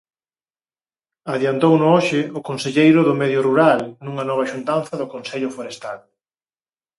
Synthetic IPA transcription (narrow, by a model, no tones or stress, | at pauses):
aðjant̪ownʊoʃɪʊkonseʎejɾʊðʊmɛðjʊruɾalnuŋɐnɔβ̞ɐʃunt̪anθɐðʊkonsɛʎʊfoɾest̪al